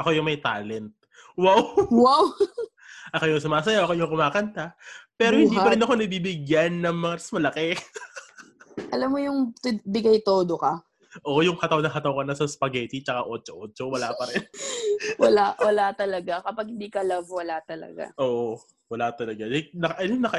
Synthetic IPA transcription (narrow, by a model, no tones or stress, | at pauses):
ʔɐko̞jʊŋmɐjt̪aːlɛnt̪̚ | wawwaw | ʔɐkojʊŋsʊmaːs̬ɐjaʔɐkoɲʊŋkʊmaːkɐnt̪apɛːɾohɪnd̪iːpɐɾɪnɐko̞nɐbibɪɡjanːɐŋmɐŋasmɐlɐkɛ | ʔɐlamːojʊŋt̪bɪɡajt̪oːd̪okɐ | ʔo̞jʊŋhɐt̪ɐwnɐŋɦɐt̪ɐwkɐnɐsɐspɐɡɛt̪it͡ʃɐkaʔo̞ːt͡ʃoʔoːt͡ʃowɐlapɐɾɛnwɐlawɐlat̪ɐlɐɡakɐpaɡ̚hɪnd̪iːkɐlɐvwɐlat̪ɐlɐ̰ɡa̰ʔoːʔo | wɐlat̪ɐlɐɡad̪ɛnɐkɐʔɐnonɐkɐ